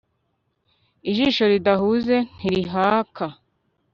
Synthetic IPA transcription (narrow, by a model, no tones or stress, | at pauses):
iʒiːʃo̞ɾidahuːze̞n̥iɾiɦaːkʰa